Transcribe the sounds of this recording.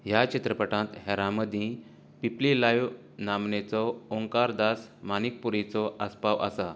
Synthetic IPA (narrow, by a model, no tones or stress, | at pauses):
ɦjat͡ɕit̪ɾəpəʈãt̪ɦɛɾãməd̪ʱĩ | piplilajʋ | namnet͡sɔoŋkaɾd̪asmanik̚puɾit͡sɔʔaspaʋa̰sa